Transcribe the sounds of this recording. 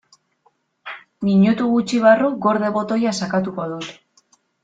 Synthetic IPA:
miɲut̪uɣut͡ʃiβaruɡo̞ɾðe̞βo̞t̪o̞jasakat̪uko̞ðut̪

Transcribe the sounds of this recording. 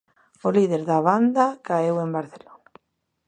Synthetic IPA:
oliðeɾðaβand̪akaewembaɾθelona

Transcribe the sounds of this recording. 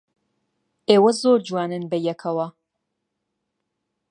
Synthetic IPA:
eːwɐzoːɾd͡ʒuwaːnɨnbɐjɛkʰɐwɐ

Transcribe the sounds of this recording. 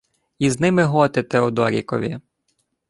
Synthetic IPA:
iznɪmɪɦɔt̪ɪt̪ɛɔd̪ɔɾʲḭkɔ̰ʋʲḭ

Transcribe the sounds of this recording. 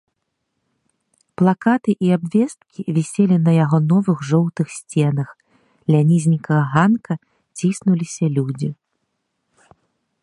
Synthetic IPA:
plˠakat̪ɨʔiabvʲɛst̪̚kʲivʲɛsʲɛlʲinɐjaɣɔnɔvɨɣʐɔwt̪ɨxsʲt͡sʲɛnɐx | lʲanʲizʲnʲikɐɣɐɣankɐ | t͡sʲisnulʲisʲɐlʲud͡zʲi

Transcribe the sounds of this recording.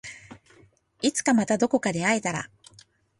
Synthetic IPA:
it͡sɨ̥kamat̪ad̪o̞ko̞kad̪e̞aet̪aɾa̰

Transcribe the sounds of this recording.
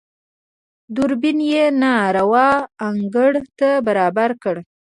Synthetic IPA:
d̪ʊɾbinjenɑɾawɑaŋɡəɽt̪abaɾɑbaɾkəɽ

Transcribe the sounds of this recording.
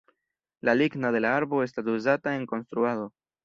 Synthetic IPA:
laliɡnade̞laaɾbo̞e̞stasuzatae̞ŋko̞nst̪ɾuaðo̞

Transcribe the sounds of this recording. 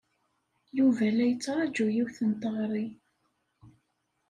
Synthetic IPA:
juvælæjət͡sːɾˤɑd͡ʒujiwθənt̪əʁɾˤi

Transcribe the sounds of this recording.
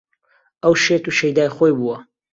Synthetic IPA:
ʔɐwʃet̪uʃejd̪aːjxojbuwɐ

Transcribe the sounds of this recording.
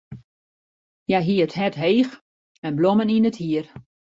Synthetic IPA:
jajɦiəətɦɛtɦeːx | ɛnbloməninəthiər

